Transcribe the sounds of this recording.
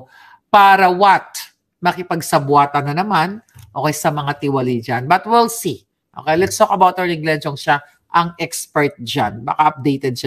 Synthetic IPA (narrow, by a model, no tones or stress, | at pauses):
paːɾɐwat̪̚ | mɐkɪpɐɡsɐbwaːt̪ɐnːɐnɐmanʔo̞ːkɐjsɐmɐŋat̪ɪwɐlid͡ʒanbɐt̪wɛlsi | ʔo̰kejlɛt̪st̪okɐbawt̪ɛɹnɪɡlɛnt͡ʃoŋʃa | ʔɐŋɛkspɛɹt̪̚d͡ʒanba̰ːkaʔɐp̚d̪ejt̪ɛd̪̚ʃa